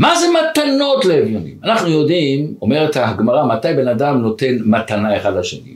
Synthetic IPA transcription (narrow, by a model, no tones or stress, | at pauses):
maze̞mat̪anotleevjonḭmanaχnujo̞dimo̞me̞ʁet̪haɡmaʁamatajbe̞nad̪amno̞t̪e̞nmat̪anae̞χadlaʃḛnḭ